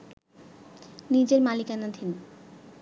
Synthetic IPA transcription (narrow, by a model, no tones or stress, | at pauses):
nid͡ʑeɾmalikanad̪ʱin